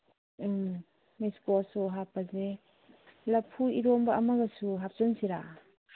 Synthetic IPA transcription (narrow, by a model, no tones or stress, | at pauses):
miskɔsuɦapːaze | lapʰuiɾɔmbɐʔːmaɡasuɦap̚sɔnsiɾa̰